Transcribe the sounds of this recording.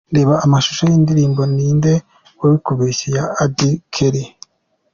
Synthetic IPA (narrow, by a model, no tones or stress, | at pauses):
ndeːβaʔːmaʃu̥ʃojiːndiɾiːmbo̞niːnde̞ | woβikuβisijaːdikʰeɾi